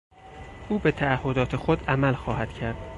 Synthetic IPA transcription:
ʔuːbet̪ʰæːhːod̪ɒːt̪ʰexod̪æmælxɒːhæd̪̥cʰæɾd̪̥

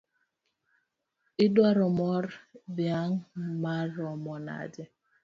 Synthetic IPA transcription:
ɪdwaɾɔmɔɾbjaŋmaɾɔmɔna̰dɪ

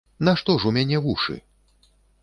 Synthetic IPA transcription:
naʂt̪ɔʐumʲanʲɛvuʂɨ̰

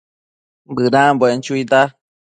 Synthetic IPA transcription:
bɨɾãbent͡ʃuit̪a

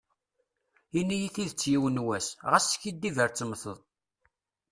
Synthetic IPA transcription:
inːijiθiðət͡sːjiwənwæsʁæsçid̪ːivəɾt͡sːəmθəðˤ

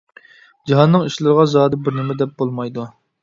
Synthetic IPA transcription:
d͡ʒiɦɑnːɨŋiʃlˠɨɾəʁɑzɑːd̪ɨbɪɾnɪmɛd̪ɛp̚bolˠmɑjd̪u

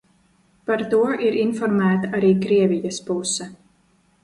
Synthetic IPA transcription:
paɾt̪uɔʔiɾʔinfɔɾmæːt̪aʔaɾiːkɾiɛvijɐspusɛ

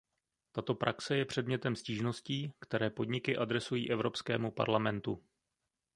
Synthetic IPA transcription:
t̪at̪o̞pɾʔaksɛjɛpr̝̥ɛdmɲɛt̪ɛmsciːʒno̞sciːkt̪ɛɾɛːpo̞dɲɪkɪʔad̪ɾɛsujiːʔɛvɾo̞pskɛːmupa̰ɾlamɛnt̪u

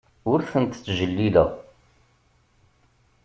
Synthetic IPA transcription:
ʊɾθənt̪t͡sːʒəlːilə̰ʁ

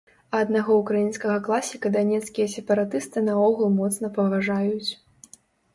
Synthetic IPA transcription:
ɐɐd̪naɣɔukɾajinskɐɣɐklˠasʲikɐd̪anʲɛt̪skʲijɐsʲɛpɐɾat̪ɨst̪ɨnɐɔɣɐlˠmɔt̪snɐpɐvaʐajut͡sʲ

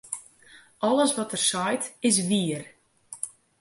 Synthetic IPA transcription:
ɔləsʋɔtərsɔjtɪs̬ʋiər

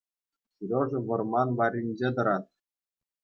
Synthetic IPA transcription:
ɕyɾʲoʐɤ̆ʋɤ̆rmɑnʋɑrʲinʲd͡ʑed̪ɤ̆ɾɑt̪̚

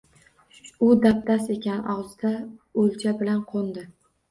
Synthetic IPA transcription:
ʊd̪ap̚t̪ʰase̞kʲanʔɒʁzɪd̪aolt͡ʃʰabɪlanqʰond̪ɪ

